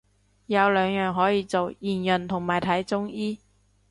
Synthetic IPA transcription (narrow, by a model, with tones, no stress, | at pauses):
jɐ˨˧wlœː˨˧ŋjœː˨ŋɦɔː˨˥jiː˨˧t͡so˨wjiː˨˩njɵ˨nt̪ʰʊ˨˩ŋmaː˨jt̪ʰɐ˨˥jt͡sʊ˥ŋjiː˥